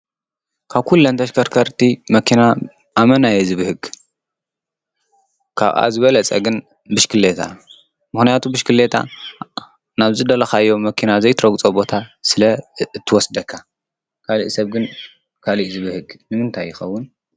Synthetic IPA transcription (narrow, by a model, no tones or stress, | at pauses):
kʰaβkʰulːɐnt̪ʰɐʃkʰɐɾkʰɐɾt̪ʰimɐkʰina | ʔamɐnajezɨβɨhɨɡ | kʰa̰βʔa̰zɨβɐlɐt͡sʼɐ̰ɡɨn | bɨʃkʰɨlːet̪ʰa̰ | mɨxnijat̪ʰubɨʃkʰɨle̞t̪ʰa̰ | naβzɨd̪ɐlɐxajo̞mːɐkʰinazɐjt̪ʰɾɐɡt͡sʼobo̞t̪ʰasɨlɐɨt̪ʰːɨwɔsd̪ɐkʰːa | kʰalḭʔsɐβɡɨn | kʰaliʔzɨβɨhɨɡnɨmɨnt̪ʰajːɪxɐwːʊn